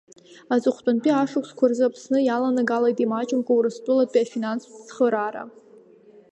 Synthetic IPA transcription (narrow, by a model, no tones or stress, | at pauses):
azɨχʷtʼʊnpʼiaʂɨkʷʰskʷʰarzɨapʰsnɨjalanaɡalajtʼimat͡ʃʼɪmkʷʼauɾɨstʼʊlat̚pʼiafinanst͡sχəɾaɾa̰